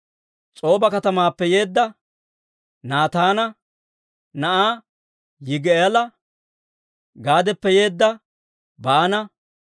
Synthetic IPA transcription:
t͡sʼo̞ːbɐkɐt̪ɐmaːpːɛje̞ːd̪ːɐ | naːt̪aːnɐ | nɐʔaː | jɪɡelɐ | ɡaːd̪ɛpːɛjeːd̪ːɐ | baːnɐ

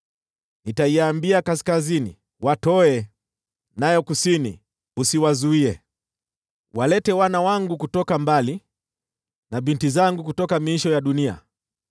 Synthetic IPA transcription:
nitaiambiakaskazinḭ | watɔɛ | najɔkusinḭ | usiwazuiɛ | walɛtɛwanawaŋɡukutɔkambali | naɓintizaŋɡuk̬utɔkamiiʃɔjaɗunia̰

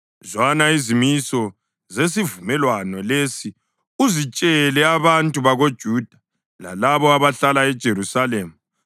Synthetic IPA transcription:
zwanaizimisɔ | zes̬ivumɛlwanɔlesi | uzit͡ʃʼɛlɛaβantʼuβaɣod̥ʒ̥ʱuːd̥ʱa | la̰laβɔaβaɬalaɛd̥ʒ̥ʱerusaleːmu

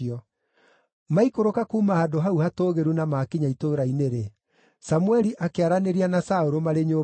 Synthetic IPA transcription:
ɔ | maikoɾokakuːmaadoɦauhatoːɣeɾunamakiɲaitoːɾaineɾe | samuɛɾiʔakeaɾaneɾianasaoɾomaɾeɲo

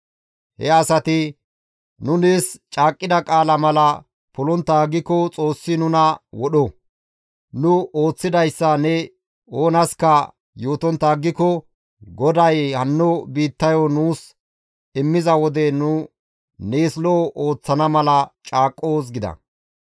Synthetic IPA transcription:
hɛɐsɐt̪ɪ | nʊneːst͡ʃʼaːkʼːɪd̪ɐkʼaːlɐmɐlɐ | pʊlɔnt̪ːaːɡɪkɔt͡sʼo̞ːsːɪnʊnɐwɔɗɔ | nʊo̞ːt͡sːɪd̪ɐjsːɐnɛ | oːnɐskɐ | joːt̪ɔnt̪ːɐːɡːɪkɔ | ɡɔd̪ɐjhɐnːɔbiːt̪ːɐjɔnuːs | ɪmːɪzɐwɔd̪ɛnʊ | neːslɔʔoːt͡sːɐnɐmɐlɐt͡ʃʼaːkʼːoːs̬ɡɪd̪ɐ̰

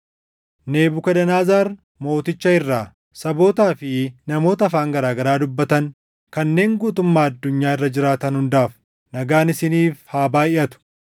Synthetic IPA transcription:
ne̞ːbʊkɐd̪ɐnaːzaːɾ | mo̞ːt̪ɪt͡ʃːɐɪrːaː | sɐbo̞ːt̪aːfɪnɐmo̞ːt̪ɐːfaːŋɡɐɾaːɡɐɾaːd̪ʊbːɐt̪ɐn | kɐnːe̞ːŋɡuːt̪ʊmːaːɐd̪ːʊɲːaːɪrːɐd͡ʒɪɾaːt̪ɐnhʊnd̪aːf | nɐɡaːnɪsɪniːfhaːbaːɪʔɐt̪ʊ̥

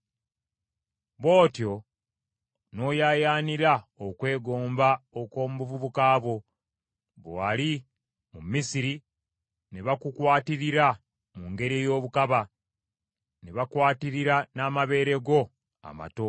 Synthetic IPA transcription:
βo̞ːtjo̞ | no̞jaːjaːniɾaokwe̞ːɡo̞ːmbaokwo̞ːmuβuvuβukaːβo̞ | βwali | mumːisiɾi | neβakukwaːtiɾiɾa | muŋɡe̞ɾejo̞ːβukaβa | neβakwaːtiɾiɾanaːmaβe̞ːɾe̞ɡo̞ | a̰ma̰to̞

